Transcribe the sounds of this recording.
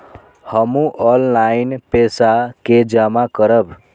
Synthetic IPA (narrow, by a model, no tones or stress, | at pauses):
həmũʔɔllainpesaked͡ʒamakəɾəb